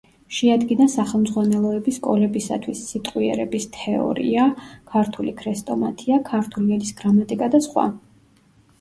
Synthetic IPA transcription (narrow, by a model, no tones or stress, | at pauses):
ʃɛad̪ɡinasaχɛlˠmzʁwanɛlˠɔɛbiskʼɔlɛbisa̰t̪ʰwisːit̪ʼqʼwiɛ̰ɾɛbist̪ʰɛɔ̰ɾḭakʰaɾt̪ʰulikʰɾɛst̪ʼɔmat̪ʰiakʰaɾt̪ʰuliɛlisɡ̥ɾamat̪ʼikʼad̪asχwa̰